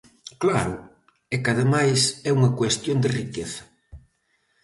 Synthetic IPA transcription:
klaɾʊ | ɛkaðemajsɛuŋɐkwest̪jond̪ɪrikeθɐ̥

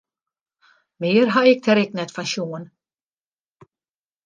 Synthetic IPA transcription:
meːɾɦaɪk̚t̪ʰɛɾɪk̚nɛt̪faŋɕuːn

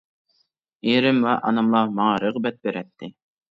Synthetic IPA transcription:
jeɾɪmwɛʔɑ̰nɑmlˠɑmɑŋɑɾəʁbɛt̪̚beɾɛt̪ʰːɪ

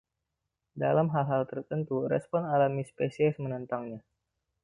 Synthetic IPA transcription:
da̰lamɦalɦalt̪ərt̪ənt̪uɾɛspɔnalamispesiɛsmənənt̪aŋɲa

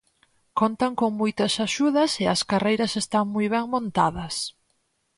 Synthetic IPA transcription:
kont̪aŋkoŋmujt̪ɐsaʃuðɐsɪɐskarejɾɐsest̪aŋmujβ̞ɛŋmõnt̪aðɐs

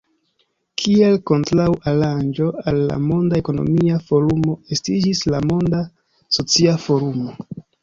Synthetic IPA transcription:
kʰie̞lko̞ntɾawaɾand͡ʒo̞alːa̰mo̞ndae̞ko̞no̞̰miafo̞ɾumo̞estid͡ʒislamo̞nda | so̞t͡siafo̞ɾumo̞

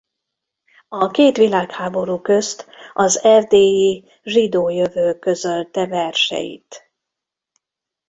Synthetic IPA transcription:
ɒkeːt̪ʋilaːkhaːbo̞ɾuːkø̞st̪ʔɒzɛrd̪eːi | ʒid̪oːjøvøːkø̞zølt̪ɛvɛrʃɛ̰jḭt̪

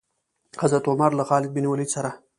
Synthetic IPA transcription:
xazat̪omaɾlaxɑːlɪɡ̚biniwalisaɾa

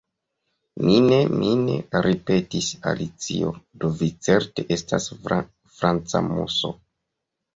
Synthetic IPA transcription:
mine̞mʔine̞̰ɾipe̞tisa̰lit͡siodo̞vit͡se̞ɾteʔe̞stas | fɾant͡sa̰mo̰so̰

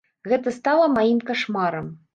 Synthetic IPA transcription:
ɣɛt̪ɐst̪alˠɐmajimkaʂmaɾɐm

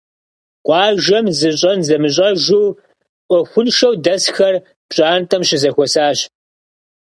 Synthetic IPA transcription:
qʷʼɑːʒɐmzɨɕʼɐnzɐmɨɕ̬ʼɐʒɪw | ʔʷɔxʷʊnʃɐwdɐsxɐr | pɕʼaːntʰʼɐmɕɪzɐxʷɔsaːɕ

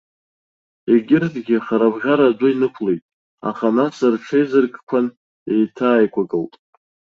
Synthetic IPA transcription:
eɡʲɪrtʼɡʲɪχaɾabʁʲaɾaduinɨkʷʰlejtʼ | a̰χanasɨrʈ͡ʂʰejzɨrɡʼkʷʰan | e̞jtʰaːjkʷʰakʼɨltʼ

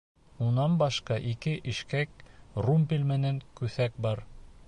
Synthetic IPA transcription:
unɑnbɑʃqɑʔikɘʔɘ̆ʃkækrumpʲilʲmɘ̆næŋkʉθæk̚bɑɾ

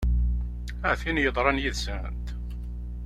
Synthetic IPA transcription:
əʕθinjəðˤɾˤɑnjiðsənt̪

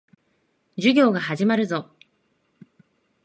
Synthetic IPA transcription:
d͡ʑɨɡʲo̞ːɡahaʑimaɾɯ̟zo̞

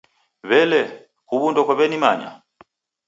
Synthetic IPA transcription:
βɛlɛ | kuβundɔkwɔβɛnimaɲa̰

